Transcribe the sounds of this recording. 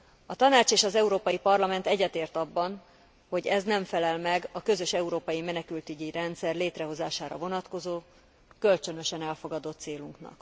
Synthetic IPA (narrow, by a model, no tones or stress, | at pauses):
ɒt̪ɒnaːt͡ʃeːʃɒzɛuɾoːpɒjipɒrlɒmɛnt̪ɛɟːɛt̪eːrt̪ɒbːɒn | ho̞ɟɛznɛɱfɛlɛlmɛɡɒkø̞zø̞ʃɛuɾoːpɒjimɛnɛkylt̪yɟiɾɛnt̪sɛrleːt̪rɛɦo̞zaːʃaːɾɒ̰vo̞nɒt̪ko̞zoː | kølt͡ʃø̞nø̞ʃɛnɛlfo̞ɡɒd̪o̞t̪ːseːluŋknɒ̰k